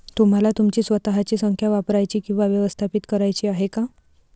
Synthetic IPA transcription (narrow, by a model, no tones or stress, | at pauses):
t̪um̤alat̪umt͡ɕiːsʋət̪aɦat͡ɕiːsəŋkʰjaʋapɾajt͡ɕiːkĩw̃ʋaʋjəʋəst̪ʰapit̪kəɾajt͡ɕiːaɦeka